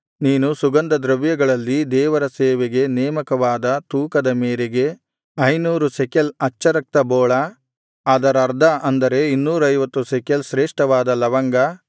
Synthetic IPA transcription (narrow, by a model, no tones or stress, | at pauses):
niːnusuɡɐnd̪ɐd̪ɾɐʋjɐɡɐɭɐlːid̪ɛːʋɐɾɐseːʋeɡe̞neːmɐkɐʋaːd̪ɐt̪uːkɐd̪ɐmeːɾeɡe̞ | ɐjnuːɾusekɐlɐt͡ʃːɐɾɐk̚t̪ɐbɔːɭɐ | aːd̪ɐɾɐɾd̪ʱɐʔɐnd̪ɐɾe̞inːuːɾɐjʋɐt̪ːusekjɐlʃɾeːʂʈɐʋaːd̪ɐlɐʋɐŋɡɐ